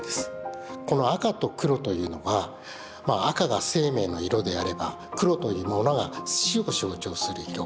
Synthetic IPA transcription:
d̪̥esɨ̥ko̞no̞akat̪o̞kɯ̟ɾo̞t̪o̞jɯ̟ːno̞ɡa | maːkaɡase̞ːme̞ːno̞iɾo̞d̪e̞aɾe̞ba̰ | kɯ̟ɾo̞t̪o̞jɯ̟ːmo̞noɡaɕio̞ɕo̞ːt͡ɕo̞ːsɨɾɯ̟iɾo̞

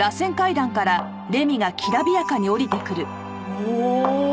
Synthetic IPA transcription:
ɾasẽ̞ŋkaid̪ãŋkaɾa | ɾe̞mʲiɡakʲʰiɾabʲijakaɲ̟io̞ɾʲit̪e̞kɯ̟ɾɯ̟

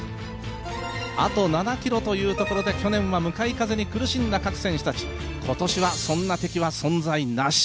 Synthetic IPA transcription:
a̰t̪o̞nanakʲiɾo̞t̪o̞jɯ̟ːt̪o̞ko̞ɾo̞d̪e̞kʲo̞nẽ̞ɰ̃βamɯ̟kaikaze̞ɲ̟ikɯ̟ɾɯ̟ɕĩnd̪akakɯ̟̥sẽ̞ɰ̃ɕḁt̪at͡ɕi̥ | kʰo̞t̪o̞ɕiβasõ̞nːat̪e̞kʲiβasõ̞nzainaɕi̥

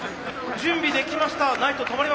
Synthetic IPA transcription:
d͡ʑɨ̃mbʲid̪e̞kʲimaɕi̥t̪anait̪o̞t̪o̞maɾi

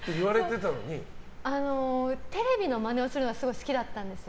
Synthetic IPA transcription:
t̪ːeiβaɾe̞t̪e̞t̪ano̞̰ɲ̟i | anot̪e̞ɾe̞bʲino̞mane̞osɨɾɯnoɡasɨɡo̞isɨ̥kʲid̪at̪ːãnd̪e̞sɨ

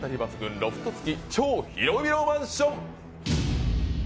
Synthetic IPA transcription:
t̪aɾʲibasɨɡɯ̟̃nɾo̞ɸɯ̟̥t̪ot͡sɨ̥kʲit͡ɕo̞ːçḭɾo̞bʲiɾomãɰ̃ɕõŋ

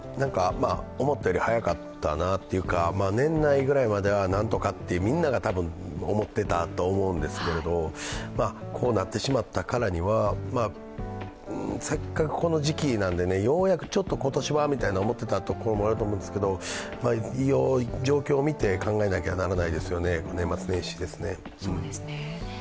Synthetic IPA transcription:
nãŋkamao̞mo̞t̪ːeoɾʲihajakat̪ːa̰nat̪ːe̞jɯ̟kamaːnẽ̞nːaiɡɯ̟ɾaimad̪e̞βanãnt̪o̞kat̪ːe̞jɯ̟mʲĩnːaɡat̪abɯ̟̃ŋ | o̞mo̞t̪ːe̞t̪at̪o̞ːmo̞ɯ̟̃nd̪e̞sɨ̥ke̞ɾe̞d̪o̞makʰo̞ːnat̪ːe̞ɕimat̪ːakaɾaɲ̟iβama | se̞kːakɯ̟̥ko̞no̞ʑikʲinãnd̪e̞ne̞jo̞ːjakɯ̟̥t͡ɕo̞t̪ːoko̞t̪oɕiβamʲit̪ainaomo̞t̪ːe̞t̪at̪o̞koɾomo̞aɾɯt̪omõːnd̪esɨ̥ke̞d̪o̞ | maijoːd͡ʑo̞ːkʲo̞ːmʲit̪e̞kãŋɡaenakʲeβanaɾanaid̪e̞sɨjo̞ne̞konẽ̞mːat͡sɨnẽ̞ɕi̥d̪e̞sɨne̞ | ɯ̟̃ɴ

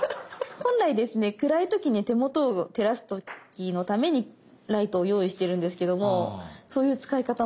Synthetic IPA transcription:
hõ̞nɾaid̪e̞sɨne̞kɯ̟ɾait̪o̞kʲiɲ̟it̪e̞mo̞t̪o̞ːt̪e̞ɾasɨ̥t̪o̞kʲino̞t̪ame̞ɲ̟i | ɾait̪o̞ːjo̞ːiɕi̥t̪e̞ɾɯ̟̃nd̪e̞sɨ̥ke̞d̪o̞mo̞so̞ːjɯ̟ːt͡sɨ̥kaikat̪a

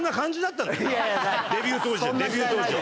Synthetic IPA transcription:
nːakãɲ̟d͡ʑid̪at̪ːãn | d̪ebʲɨːt̪oːd͡ʑid̪ebʲjɨːt̪oːzi

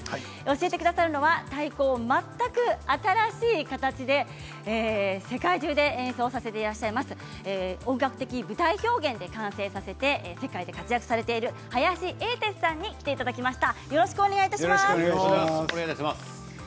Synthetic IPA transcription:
o̞ɕie̞t̪e̞kɯ̟d̪asaɾɯ̟no̞βat̪aiko̞ːmat̪ːakɯ̟at̪aɾaɕiːkat̪at͡ɕid̪e̞ | eːse̞kaiʑɨːd̪e̞ẽ̞ɰ̃so̞ːsase̞t̪e̞iɾaɕːaimasɨ̥ː | õ̞ŋɡakɯ̟̥t̪e̞kʲibɯ̟t̪aiço̞ːɡẽ̞nd̪e̞kãɰ̃se̞ːsase̞t̪e̞se̞kaid̪e̞kat͡sɨjakɯ̟̥saɾe̞t̪e̞iɾɯ̟ | hajaɕiʔe̞ːt̪e̞sɨ̥sãɲ̟ːikʲi̥t̪e̞it̪ad̪akʲimaɕi̥t̪ajo̞ɾo̞ɕi̥kɯ̟one̞ɡait̪asimaɕ | eaas

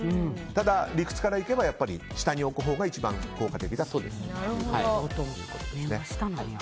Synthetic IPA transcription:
ɯ̃t̪ad̪aɾʲikɯ̟̥t͡sɨ̥kaɾaike̞bajapːaɾʲiɕi̥t̪aɲ̟io̞kɯ̟ɦo̞ːɡait͡ɕibã̰ŋko̞ːkat̪e̞kʲid̪asoːd̪ḛsaɾɯhoaoot̪õ | sne̥t̪an

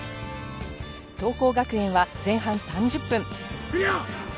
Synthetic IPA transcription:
t̪o̞ːko̞ːɡakɯ̟ẽ̞ɰ̃βad͡zẽ̞ɰ̃ɦãñsãɲ̟d͡ʑɨpːɯ̟̃ŋ

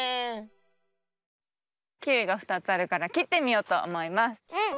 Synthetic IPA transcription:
kʲɯiɡaɸɯ̥t̪at͡sɨaɾɯ̟kaɾakʲit̪ːe̞mʲio̞ːt̪o̞o̰mo̞imasɨ̥

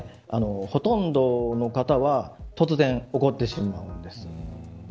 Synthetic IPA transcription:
a̰no̞ho̞t̪õ̞nd̪o̞no̞kat̪aβat̪o̞t͡sɨzẽ̞ɴo̞ko̞t̪ːe̞ɕimaɯ̟̃nd̪e̞sɨ̥

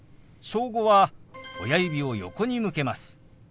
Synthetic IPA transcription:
so̞ːɡo̞βao̞̰jaibʲio̞jo̞̰ko̞ɲ̟imɯ̟ke̞masɨ̥

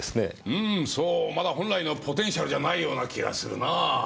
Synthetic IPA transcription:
sɨne̞̰ɯ̟̃soːmad̪aɦõ̞ñɾaino̞pʰo̞t̪ẽ̞ɰ̃ɕaɾɯ̟d͡ʑanaijo̞ːnakʲiɡa̰sɨɾɯ̟̰naː

